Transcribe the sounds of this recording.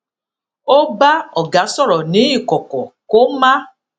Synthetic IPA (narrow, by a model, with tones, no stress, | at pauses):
o˦ba˦ɔ˦˨ɡa˨˦sɔ˦˨ɾɔ˨nĩ˨˦i˦˨kɔ˨kɔ˨ko˦mã˦